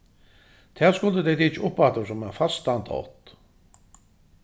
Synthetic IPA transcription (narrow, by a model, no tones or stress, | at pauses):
t̪ʰɛːskʊld̪əd̪ɛd̪it͡ʃʊpfat̪əsɔmɛnfast̪ant̪ʰɔ̰t̪